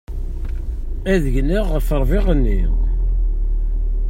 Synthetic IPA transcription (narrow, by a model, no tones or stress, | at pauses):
æðəʝniʁːəfəɾˤvɪʁənːi